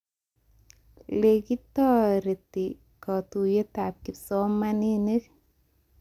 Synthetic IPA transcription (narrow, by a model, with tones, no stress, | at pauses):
le˨ki˦tɔ˦ɾe˨ti˨ | kɔ˨tu˨je˦ta˨p̚ki˨psɔ˦ma˦ni˦ne˦k